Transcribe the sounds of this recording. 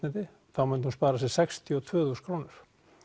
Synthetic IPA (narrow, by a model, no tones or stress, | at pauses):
nɛt̪ɪ | θawmʏnhunspaːɾasɛsɛkst̪ʰjiɔt̪ʰvœːθuːskʰɾoːwnɪɾ̥